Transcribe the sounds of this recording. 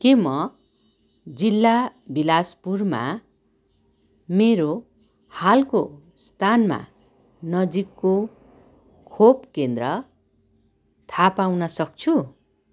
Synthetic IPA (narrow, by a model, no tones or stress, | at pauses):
kemʌ | d͡zilːabilaspurma̰ | meɾo | halko | st̪ʰanma̰ | nʌd͡zikːo | kʰopkend̪rʌ | t̪ʰapawnʌsʌk̚t͡sʰu